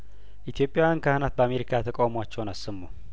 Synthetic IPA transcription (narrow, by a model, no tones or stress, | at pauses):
ʔit̪ʰijo̞pʼːjawjankʰahanat̪̚bəame̞ɾikʰat̪ʰəkʼawmowat͡ʃːɛwnasːɨmːo